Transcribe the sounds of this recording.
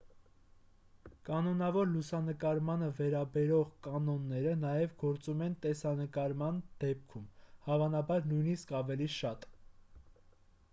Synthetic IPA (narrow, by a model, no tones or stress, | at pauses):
kɑnɔnɑvɔɾlusɑnəkɑɾmɑnəvɛɾɑbɛɾɔʁkɑnɔnːɛɾənɑjɛvɡɔɾt͡sumɛnt̪ɛsɑnəkɑɾmɑnd̪̥ɛp̚kʰumhɑvɑnɑbɑɾnujniskɑvɛliʃɑt̪